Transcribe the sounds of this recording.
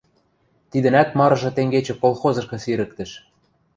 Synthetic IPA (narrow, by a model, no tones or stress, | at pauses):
t̪id̪ə̆næt̪mɑɾɤ̆ʒɤ̆t̪eŋɡet͡ɕĕkolˠxozɤ̆ʃkɤ̆siɾɘ̆k̚t̪ə̆ʃ